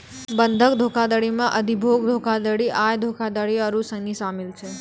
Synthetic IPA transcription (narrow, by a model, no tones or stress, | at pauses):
bənd̪ʱəkd̪ʱokʰad̪əɽimãʔəd̪ibʱoɡd̪ʱokʰad̪əɽiʔajd̪ʱokʰad̪əɽiəɾusənisamilt͡ʃʰe